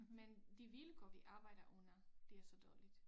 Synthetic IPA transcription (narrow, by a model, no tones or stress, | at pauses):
mend̥iʋiləɡ̥ɔʋiʔɑ̈ːb̥ɑ̈ɪ̰d̥ɐʔɔ̽n̰ɐd̥e̝æɐsɒ̽d̥ɒːlid̥